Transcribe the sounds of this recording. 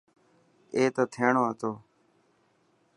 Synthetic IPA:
eːt̪oːt̪ʰeːɳoːat̪oː

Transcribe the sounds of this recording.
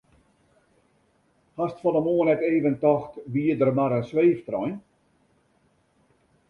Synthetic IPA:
hastfɔnəmoənɛteːvəntɔxtʋiədərmaɾənsʋeːftrɔjn

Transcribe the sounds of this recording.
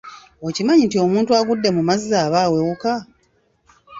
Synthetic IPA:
ocimaɲintio̞muːntuaɡudːe̞mumazːaːβaːwewuka

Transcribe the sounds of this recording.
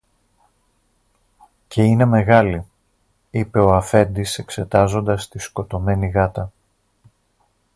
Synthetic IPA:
ce̞ine̞me̞ɣɐli | ipe̞o̞ɐfe̞nd̪ise̞kse̞t̪ɐzo̞nd̪ɐst̪isko̞t̪o̞me̞niɣɐt̪ɐ

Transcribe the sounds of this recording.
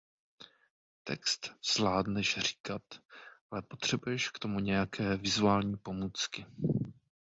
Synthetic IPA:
t̪ɛ̰kst̪z̥vlaːdnɛʃr̝iːkat̪ʔalɛpo̞t̪r̥ɛbujɛʃkt̪o̞muɲɛjakʰɛːvɪzuaːlɲiːpo̞muːt͡skɪ

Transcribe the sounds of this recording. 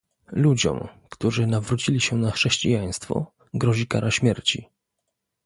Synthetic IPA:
lud͡ʑɔ̰mkt̪uʐɘnavɾut͡ɕilʲiɕɛnaxʂɛɕt͡ɕijaj̃st̪fɔ̰ | ɡɾɔʑika̰ɾaɕmʲjɛɾt͡ɕḭ

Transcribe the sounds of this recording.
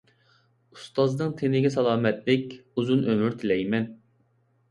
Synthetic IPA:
ust̪ɑznɨŋt̪ʰenɪɡʲɛsɑlˠɑːmɛt̪̚lɪkʲuzunʔømyɾt̪ʰɪlɛjmɛn

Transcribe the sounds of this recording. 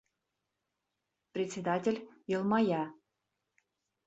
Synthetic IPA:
prʲɪt̪ʲt͡sʲed̪atʲĕlʲjɤ̆lˠmɑjɑ

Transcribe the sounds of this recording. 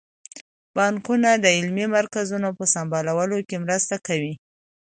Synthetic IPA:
b̥ɑŋkunad̪əɪlmemaɾkazunopəsɑmbɑlawəlokemɾəst̪akawi

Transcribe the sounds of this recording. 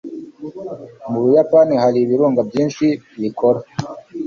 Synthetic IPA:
muβujapaːnihaɾiβiɾuːŋɡabjiːnʃiβikoɾa

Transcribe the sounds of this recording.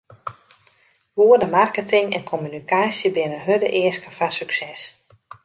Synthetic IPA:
ɡoədəmarkətɪŋɛ̰nkʰomynikʰaːsjəbɪnənɦødəʔɪəskəfasyksɛs

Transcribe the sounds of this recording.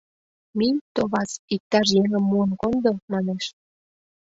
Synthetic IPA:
mit̪oβɑt͡sik̚t̪ɑʃ̬jeŋə̆mːuənkond̪omɑneʃ

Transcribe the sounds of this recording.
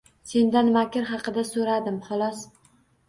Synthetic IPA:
se̞nd̪anmakʲɪɾɦɑqɨd̪asoɾad̪ɪmχɒlˠɒs

